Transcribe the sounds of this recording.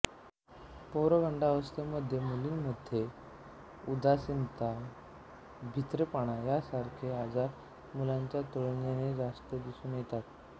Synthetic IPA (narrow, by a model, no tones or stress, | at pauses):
powɾəɡʱəɳɖaʋəst̪əməd̪ʱːjemuliːnməd̪ʱje | ud̪asint̪a | bʱit̪ɾəpaɽ̃ajasaɾkʰeɦad͡zaɾ | mulaɲt͡ɕjat̪oɭnjaned͡zast̪əd̪isuːnjet̪at̪̚